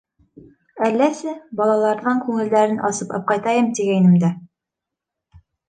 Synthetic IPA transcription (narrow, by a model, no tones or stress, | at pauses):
ælːæsɘbɒlˠɑlˠɑɾðɑŋkʉŋɘ̆ld̪æɾɘnʔɒsɤpɑ̰p̚qɑjt̪ɑjɤmt̪iɡæjnɘ̆md̪æ